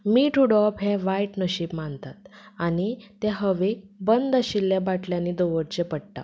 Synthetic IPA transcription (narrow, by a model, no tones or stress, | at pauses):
miːʈʰuɽɔpɦɛ̃ʋaiʈnəɕiːpmant̪at̪añit̪ɛ̃ɦəʋebənd̪əɕilːjabaʈljãnːiːd̪oʋəɽt͡ɕepəɽʈa̰